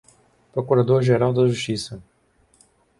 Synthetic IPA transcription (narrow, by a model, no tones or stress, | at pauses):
pɾokuɾad̪oɾʒeɾawd̪ɐʒuʃt͡ʃisɐ